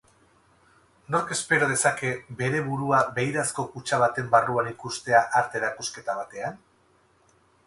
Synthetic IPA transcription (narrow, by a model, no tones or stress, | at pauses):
no̞ɾke̞spe̞ɾo̞ð̞e̞sake̞be̞ɾe̞βuɾuaβe̞jɾasko̞kut͡ʃaβ̞at̪e̞mbaruanikust̪e̞aʔaɾt̪e̞ːɾakuske̞t̪aβat̪e̞an